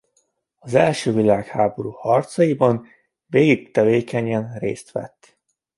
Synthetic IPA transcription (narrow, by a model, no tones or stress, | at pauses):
ɒzɛlʃøːvilaːkhaːbo̞ɾuːhɒrt̪sɒjibɒn | veːɡik̚t̪ɛveːkɛɲɛnrḛːst̪ʋɛ̰t̪ː